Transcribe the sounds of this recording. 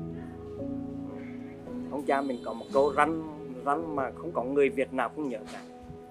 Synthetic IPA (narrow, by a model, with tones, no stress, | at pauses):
ʔɨ˨˩ | h̪ʰə˧wŋ͡mt͡ɕaː˧mï˨˩ŋ̟kɔ˨˦mo˨˩t̚ko˧za˧jŋ̟za˧jŋmaː˨˩xə˧wŋ͡mkɔ˨˦ŋɨ˨˩əjvi˨˩ət̚naː˨˩wkʊ̰˧˥wŋ͡mɲə̰ː˧˨˦kaː˧˦